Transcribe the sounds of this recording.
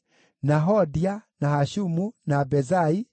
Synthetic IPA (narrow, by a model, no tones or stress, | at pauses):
naɦɔdianahaʃumunabɛzai